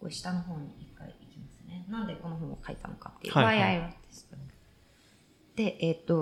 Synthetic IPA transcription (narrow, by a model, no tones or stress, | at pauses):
ko̰ɕi̥t̪ano̞ɦo̞ːɲ̟iikːa̰ḭikʲimasɨne̞nãnd̪e̞ko̞no̞ɦõ̞ːokaḭt̪ano̞kat̪ːejɯ̰aiaiβad̪esɨ̥ | d̪̥e̞ʔet̪ːo̞